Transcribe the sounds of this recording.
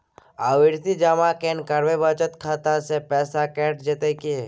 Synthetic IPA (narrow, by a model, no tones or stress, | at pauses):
aːʋɪɾt̪id͡ʒamakeːnkəɾʋebət͡ʃət̪kʰaːt̪asepɛːsakɛːʈd͡ʒet̪eke